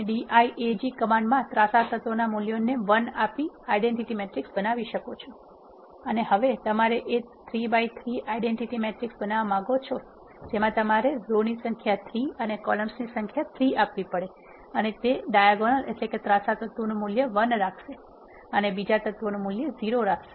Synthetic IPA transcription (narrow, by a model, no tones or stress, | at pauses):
ɖiʔaiʔed͡ʒikəmaɳɖmãt̪ɾasat̪ət̪ʋonamuljoneʋənapiaiɖeɳʈiʈimeʈɾiksbənaʋiʃəkot͡ʃʰo | əneɦəʋet̪əmaɾeʔe | t̪ʰɾibait̪ʰɾiaiɖeɳʈiʈimeʈɾiksbənaʋamãɡot͡ʃʰo | d͡ʒemãt̪əmaɾezonisə̃ŋkʰjat̪ʰɾiənekɔləmsnisə̃ŋkʰjat̪ʰɾiapʋipəɽe | ənet̪eɖajaɡonəlʔeʈleket̪ɾasat̪ət̪ʋonũmuljəʋənɾakʰʃe | ənebid͡ʒat̪ət̪ʋonũmuljəziɾoɾakʰʃe